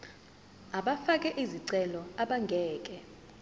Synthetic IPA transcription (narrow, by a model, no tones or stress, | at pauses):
aɓafak̬ʼɛʔiziǀɛlɔaɓaŋɡʱɛːkʼɛ